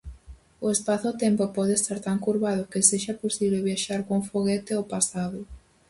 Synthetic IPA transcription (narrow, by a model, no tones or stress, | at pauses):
ʊespaθʊt̪empopɔðest̪aɾt̪aŋkuɾβað̞ʊkɪseʃaposiβleβ̞jaʃaɾkofoɣet̪ɪopasaðʊ